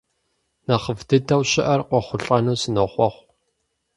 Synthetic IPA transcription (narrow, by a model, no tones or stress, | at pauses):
nɐχəvdɨdʰɐwɕɪʔɐrqʷɔχʷʊɬʼɐnuːsɨnoχʷɔχʷ